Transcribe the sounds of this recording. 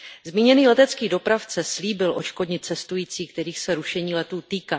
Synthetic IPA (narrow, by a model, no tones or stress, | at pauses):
zmiːɲɛniːlɛt̪ɛt͡skiːdo̞pɾaft͡sɛsliːbɪlʔo̞t͡ʃko̞dɲɪt̪̚t͡sɛst̪ujiːt͡siːk̚t̪ɛɾiːxsɛɾuʃɛɲiːlɛt̪uːt̪iːkaː